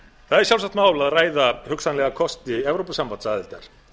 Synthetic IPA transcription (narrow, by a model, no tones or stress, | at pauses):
θaðɛɾsjalsakt̪maːwlaðraːjðahʏksanlɛɣakʰɔst̪ɪɛvɾowpasampansaðɪlt̪a̰ɾ̥